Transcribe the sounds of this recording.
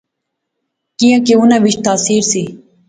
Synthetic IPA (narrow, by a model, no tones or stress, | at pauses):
kijãːkeːunãːʋɪt͡ʃt̪aːsiːɾsiː